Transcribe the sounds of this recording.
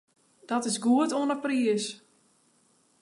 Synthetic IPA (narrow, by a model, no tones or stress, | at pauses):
d̥ɔtɪsɡuətoənəpriəs